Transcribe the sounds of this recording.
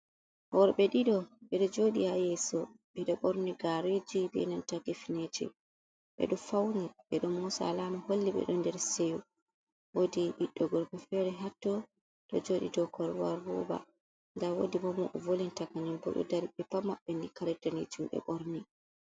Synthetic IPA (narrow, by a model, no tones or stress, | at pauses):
hɔɾɓɛɗiɗɔɓɛɗɔd͡ʒoɗihajɛsɔɓɛɗɔɓoɾniɡaɾed͡ʒibɛ̰ɛnantakifined͡ʒɛ̰ | ɓɛ̰ɗɔfawniɓɛɗɔmɔsaalamaholːiɓɛ̰ɗɔndɛɾseju | wodiɗiɗːɔɡɔɾbɛfɛɾɛɦatːɔ | ɗɔ̰d͡ʒoɗḭdɔkɔɾwa̰ɾbṵba̰ | ndawodibɔmɔʔvolintakanɛnbɔ̰ɗɔ̰daɾiɓɛpamːaɓːɛnikaɾɛtaned͡ʒumɓɛ̰ɓɔɾni